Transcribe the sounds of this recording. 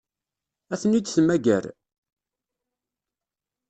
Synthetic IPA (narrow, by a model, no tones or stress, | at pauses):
æθənid̪θəmæɡæ̰ɾ